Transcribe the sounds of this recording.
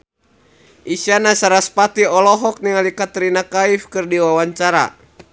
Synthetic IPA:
ʔisanasaɾaspat̪iɔlɔɦɔk̚niŋalikat̪ɾinakaifkɨrdiwawaɲt͡ʃaɾa̰

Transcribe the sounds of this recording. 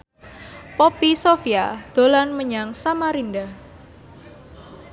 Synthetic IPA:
popisofiad̪̥o̤lanməɲaŋsamaɾindah

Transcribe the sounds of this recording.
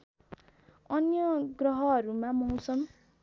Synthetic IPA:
ʌnjʌɡrʌɦʌʌɾumãmʌũsʌm

